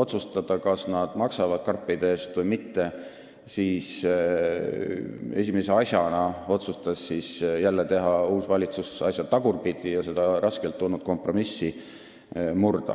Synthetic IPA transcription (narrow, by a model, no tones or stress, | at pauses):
o̞t̪sust̪ɑd̪̥ɑkɑsnɑd̪̥mɑksɑvɑd̪̥̚kɑrpˑːid̪eeːst̪vɯjmit̪ːe̞ | siːs | e̞̰sʲimeseɑsʲjɑnɑo̞t̪sust̪ɑsːisjælːet̪e̞ɦɑuːsvɑlʲit̪susɑsjɑt̪ɑɡurpid̪̥ijɑse̞d̪̥ɑɾɑskelt̪ːulnud̪̚ko̞mpro̞misːi | murd̪̥ɑ̰